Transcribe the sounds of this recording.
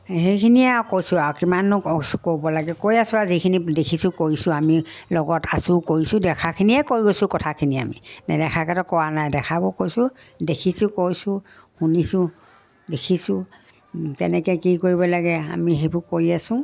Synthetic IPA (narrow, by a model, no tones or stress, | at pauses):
hejkʰiniakojsʊaɔkimanʊkobɔlaɡɛkojasʊazikʰinidekʰisʊkoɹisʊ̃amilɔɡɔtasʊkoɹisʊ̃dɛkʰakʰiniɛkoɹiɡosʊ̃kɔtʰakʰinia̰mḭnadɛkʰakɛtɔkɔwanajdɛxʰabɔkojsʊ | dekʰisʊkojsʊ̃ | hunisʊ̃ | dekʰisʊ̃ | kɛ̰nɛkɛkikoɹibɔlaɡɛa̰miɦebʊkoɹiasʊ̃